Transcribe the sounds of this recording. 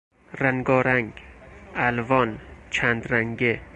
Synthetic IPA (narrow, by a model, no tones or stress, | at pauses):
ræŋɡɒːɾæŋɡælvɒːnt͡ʃʰænd̪ɾæŋɡe